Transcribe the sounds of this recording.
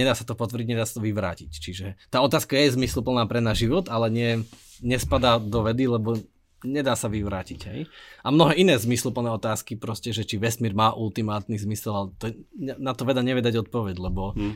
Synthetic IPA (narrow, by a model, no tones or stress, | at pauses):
ɲɛd̪aːsḁt̪ɔpɔt̪ʋər̩ɟiɟɲɛd̪aːsḁt̪ɔʋiʋɾa̰ːcict͡ʃiʒɛt̪aːɔt̪aːskajɛzmislupl̩naːpɾɛnaːzʒiʋɔt̪alɛɲɪɛ | ɲɛspad̪aːd̪ɔʋɛd̪ilɛbɔ | ɲɛd̪aːsaʋiʋɾaːcicɦɛ̰jamnɔɦɛːinɛːzmislupl̩nɛːɔt̪aːskipɾɔscɛʒɛt͡ʃiʋɛsmiːɾmaːʔult̪imaːt̪nizmisɛlalɛt̪ɔɛnat̪ɔʋɛd̪aɲɛʋɪjɛd̪aɟɔt̪̚pɔʋɛɟlɛbɔ